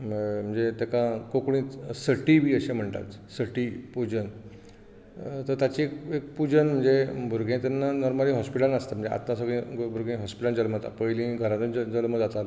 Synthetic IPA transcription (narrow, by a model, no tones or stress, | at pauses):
m̤əɳd͡zet̪ekãkokɽĩsəʈibiːəɕem̤əɳt̪a̰t̪səʈiːpud͡ʑən | t̪əɾt̪jat͡ɕikek̚pud͡ʑənm̤əɳd͡zebʱuɾɡʱẽt̪ɛnːanɔɾmaliːɦɔspiʈanəst̪am̤əɳd͡zḛʔa̰t̪nãsəɡɭĩɡbʱuɾɡʱẽɦɔspiʈand͡zəlmət̪a̰pəjlĩɡʱəɾãt̪ũəd͡zəlməd͡zat̪al